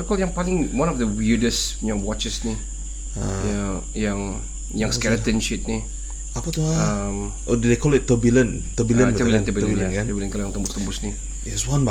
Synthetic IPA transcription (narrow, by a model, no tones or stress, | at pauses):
əkɔljãŋpalɪ̃ŋwãnɔfdəwiɹdəsjãŋwɔt͡ʃəsni | aja | jãŋ | jãŋskɛlət̪ə̃nʃɪt̪̚ni | apat̪uaam | odudekɔlɪt̚ːəbilə̃n | t̪əbilə̃ntəbilə̃nt̪əbilləbilə̃nkɛljãŋt̪əmbʊst̪əmbʊsni | jɛswãnba